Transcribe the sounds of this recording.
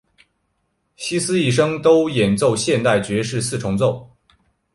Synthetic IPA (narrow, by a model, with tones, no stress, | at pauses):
ɕi˥sɹ̩˥i˥˩ʂ̬ɤ˥ŋt̪o˥ʊjɛ˨˩nt͡so˥˧ʊɕjɛ˥˧nt̪a˥˩ɪt͡ɕɥɛ˧˥ʂɻ̩˥˧sɹ̩˥˩ʈ͡ʂʰʊ˧˥ŋt͡so˥˩ʊ